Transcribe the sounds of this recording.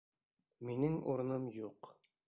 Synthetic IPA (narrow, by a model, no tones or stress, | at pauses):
minɘŋṵɾɤ̆nɤmjuq